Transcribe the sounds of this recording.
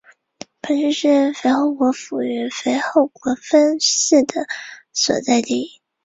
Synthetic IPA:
pʰə˧˥nʂɻ̩˥ʂɻ̩˥˩fe˧˥ɪxo˥˩ʊkwɔ˧˥fu˨˩y˧˥fe˧˥ɪxo˥˩ʊkwɔ˧˥fə˥nʂ̩˥˩d̪ə˩swɔ̰˨˩t͡sa˥˧ɪt̪i˥˩i˥

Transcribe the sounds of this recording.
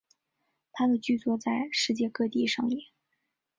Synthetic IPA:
t̪ʰa˥d̪ə˨t͡ɕy˥˧t͡swɔ˥˧t͡sa˥˧ɪʂɻ̩˥˧t͡ɕjɛ˥˧kɤ˥˧t̪i˥˧ʂɑ˥˩ŋli˥˩˦

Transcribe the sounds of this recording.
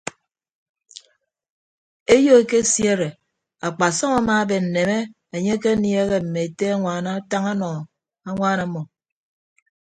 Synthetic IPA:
e˦jo˦e˨ke˦sje˦ɾe˨ | a˨k͡pa˨sɔ˦ŋa˦maː˦be˨n̩˨ne˨me˦ | e˨ɲe˦ke˦ni˦e˦ɣe˦m̩˨me˨e˨te˦a˦ŋʷaː˨˦na˦ta˦ŋa˦nɔ˨ | a˦ŋʷaː˦na˦mɔ˨

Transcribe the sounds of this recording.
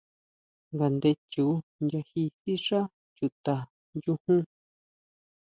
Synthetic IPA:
ŋɡa˨nd̪e˧t͡ʃu˨˦nja˧hi˧si˦ʂa˦ | t͡ʃu˨t̪a˨ | ju˦hũ˦

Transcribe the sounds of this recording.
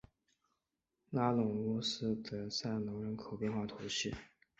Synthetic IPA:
la˥lʊ˨˩ŋɔ˥sɹ̩˥d̪ə˧˨sa˥˩nnʊ˧˥ŋɻə˧˥nkʰo˨˩ʊpjɛ˥˧nxwa˥˩t̪ʰʊ˧˥ɕy˥˩

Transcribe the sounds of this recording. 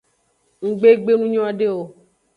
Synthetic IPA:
ŋ̩˨ɡ͡be˦ɡ͡be˦nũ˦ɲɔ̃˦a˨ɖe˦wo˨

